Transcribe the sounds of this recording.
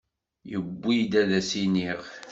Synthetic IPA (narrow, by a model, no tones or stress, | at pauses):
jəbːid̪æðæsiniʁ